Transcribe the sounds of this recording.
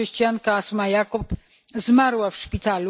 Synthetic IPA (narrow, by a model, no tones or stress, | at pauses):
ɛɕt͡ɕijaŋkaasmajakup | zmaɾwafʂpʲit̪alu